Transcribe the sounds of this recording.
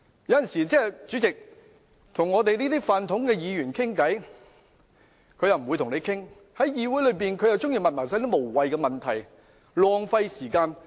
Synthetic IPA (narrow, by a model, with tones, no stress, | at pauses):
jɐ˨˧˥jɐ˨nsiː˨˩t͡sɛː˥˨t͡sy˨˥t͡sɪ˨k̚ | t̪ʰʊ˨˩ŋːɔː˨˧t̪̬e˨jniː˥t̪iː˥faː˨nt̪ʰʊ˨˥ŋkɛː˧jiː˨˧jyː˨˩nkʰɪ˥ŋkɐ˨˥j | kʰɵ˨˧ɥjɐ˨wm̩˨u˨˧t̪ʰʊ˨ŋne˨˧jkʰɪ˥ŋ | hɐ˨˥jjiː˨˧wu˨˥jlɵ˨˧ɥpiː˨nkʰɵ˧jɐ˨wt͡sʊ˥ŋjiː˨˧mɐ˨mɐː˨˩saː˨˥t̪iː˥mo˨˩wwɐ˨jkɛː˧mɐ˨nt̪ʰɐ˨˩j | lɔː˨˧ŋfɐ˧jsiː˨˩kaː˧n